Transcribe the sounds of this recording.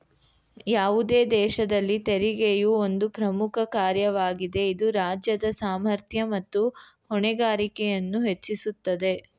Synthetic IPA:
jaːʋud̪e̞ːd̪ɛːʃɐd̪ɐlːit̪eɾiɡejuo̞nd̪upɾɐmukʰɐkaːɾjɐʋaːɡid̪e̞id̪uɾaːd͡ʒjɐd̪ɐsaːmɐɾt̪ʰjɐmɐt̪ːuhɔɳɛɡaːɾikɛjɐnːuɦet͡ʃːisut̪ːɐd̪e̞

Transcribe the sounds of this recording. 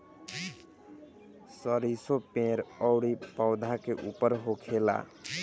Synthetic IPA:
səɾisopẽɾɔʊɾipəʊd̪ʱakeʔupəɾɦokʰela̰

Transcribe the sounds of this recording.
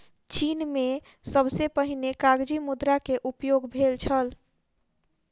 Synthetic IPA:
t͡ʃinme | səbsepəɦinekaɡd͡ʒimud̪ɾakeʔupjoɡbʱelt͡ʃʰəl

